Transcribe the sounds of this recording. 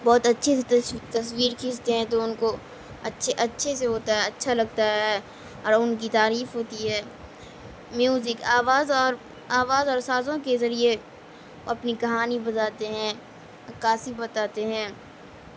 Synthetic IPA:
bɔːt̪ɐtːʃʰeset̪t̪ɐswiːɾkʰiːst̪eɦɛ̃t̪oʊnko | ɐtːʃʰeʔɐtːʃʰeseɦoːt̪aɦɛɐtːʃʰalɐɡ̚t̪aɦɛ | ɔːɾʊnkit̪aːɾiːfɦoːt̪iɦɛː | mjuːzɪkaːʋaːzɔːɾ | aːʋaːzɔːɾsaːzõkezɐɾie | ɐpnikɐɦaːnibɐt̪aːt̪eɦɛ̃ː | ɐkaːsibɐt̪aːt̪eɦɛ̃ː

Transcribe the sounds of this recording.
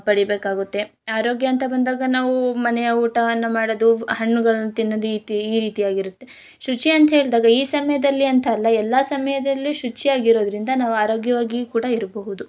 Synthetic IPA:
pɐɽibeːkaːɡut̪ːe̞ | aːɾo̞ːɡjɐɐnt̪ɐbɐnd̪aːɡɐnaːʋumɐnɛjɐuːʈɐɐnːɐmaːɽod̪uhɐɳːuɡɐɭɐnːut̪inːɐd̪uit̪iiːɾiːt̪ijaːɡiɾut̪ːe̞ | ʃut͡ʃiɐnt̪ɐɦe̞ːɭd̪aːɡɐiːsɐmɐjɐd̪ɐlːiɐnt̪ʰɐːlːɐɛlːasɐmɐjɐd̪ɐlːiʃut͡ʃːijaːɡiɾo̞ːd̪ɐɾind̪ɐnaːʋuaːɾo̞ːɡjɐʋaːɡikuːɽɐiɾɐbɐɦud̪u

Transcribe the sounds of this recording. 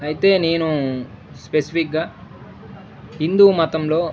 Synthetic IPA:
ɐjit̪e̞ːne̞ːnu | spesi̥pʰikɡaː | ɦind̪uːmɐt̪ɐmlo̞ː

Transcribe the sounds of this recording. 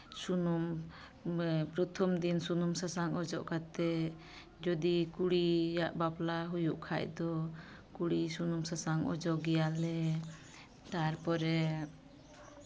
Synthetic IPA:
sunum | pɾɔt̪ʰɔmd̪insunumsasaŋɔd͡ʒɔʔkat̪ɛ | d͡ʒɔd̪ikuɽijaʔbaplaɦujuʔkʰa̰jd̪ɔ | kuɽisunumsasaŋɔ̰d͡ʒɔʔɡɛjalɛ | t̪aɾpɔɾɛ

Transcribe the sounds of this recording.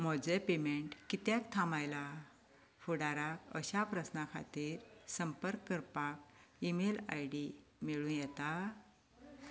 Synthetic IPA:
mɔd͡zepemeɳʈkit̪jakt̪ʰamajla | fuɽaɾakə̰ɕapɾəsnakʰa̰t̪iːɾsəmpəɾkːəɾpak̚imela̰jɽimeɭũːnjɛt̪a

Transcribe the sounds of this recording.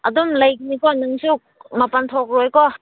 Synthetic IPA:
ɐdumlɐjkinikɔnɯŋsuk̚mɐpantʰok̚ɾojkɔ

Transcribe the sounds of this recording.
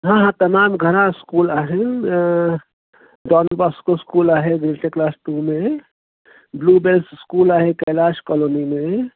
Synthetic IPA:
ɦãɦãt̪ɐmaːmɡʱəɾãɪskuːlaːɦe | ɖɔːnbaskoskuːlaːɦeɡɾeʈeklaːsʈumẽ | bluːbelsskuːlaːɦekɐlaːskɔloːnimẽ

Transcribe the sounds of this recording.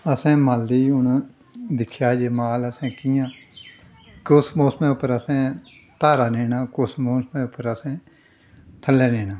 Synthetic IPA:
əsɛ̃ːmaliːʊɳ | d̪ɪkʰjaːd͡ʒeːmaːləsɛ̃ːkiːãː | kʊsmoːsmɛ̃ːʊpːəɾəsɛ̃ː | t̪aːɾaːneːnaːkʊsmoːsmɛ̃ːʊpːəɾəsẽː | t̪ʰəlːɛːneːnaː

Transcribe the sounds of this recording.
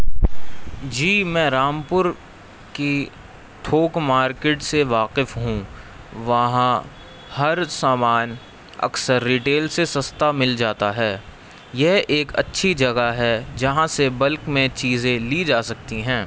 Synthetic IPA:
d͡ʒiːmɛ̃ːɾaːmpʊɾ | ki | ʈʰoːkmaːɾkeːʈseʋaːqɪfɦũ | ʋɐɦã | hɐɾsaːmaːn | ɐ̰ksəɾːiːʈeːlsesɐst̪amɪld͡ʒaːt̪aɦɛː | jɛɦeːkɐ̰tːʃʰid͡ʒɐɡaɦɛd͡ʒɐɦãsebɐlkmẽt͡ʃiːzẽlid͡ʒaːsɐkt̪iɦɛ̃ː

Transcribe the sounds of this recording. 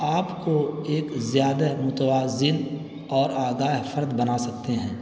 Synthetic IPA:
aːpkoeːkzjaːd̪amʊt̪waːzɪn | ɔːɾaːɡaːɦfəɾd̪bɐnasɐk̚t̪eɦɛ̃ː

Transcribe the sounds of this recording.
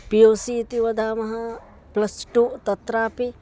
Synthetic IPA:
pijoːsit̪iʋɐd̪ʱaːmɐɦɐ | plɐsʈuːt̪ɐt̪ɾaːpi

